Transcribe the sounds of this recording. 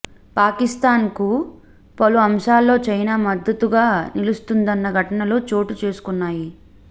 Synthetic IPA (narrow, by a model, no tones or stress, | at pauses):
paːkist̪aːnku | pɐluɐmʂaːlːo̞ːt͡ʃɐjnaːmɐd̪ːɐt̪uɡaːnilust̪und̪ɐnːɐɡʱɐʈɐnɐloːt͡ʃo̞ːʈut͡ʃe̞ːsu̥kunːaːji